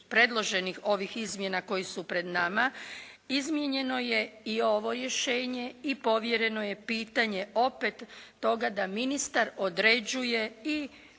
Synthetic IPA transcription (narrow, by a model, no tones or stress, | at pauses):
pɾe̞d̪lˠo̞ʒe̞nixo̞ʋixizmje̞nako̞jisupɾe̞d̪nama | izmje̞ɲe̞no̞je̞io̞ʋo̞ɾje̞ʃeːɲe̞ipo̞ʋje̞ɾe̞no̞je̞piːt̪aɲe̞ʔo̞pet̪ːo̞ɡad̪aminist̪aɾo̞d̪ɾed͡ʑuje̞i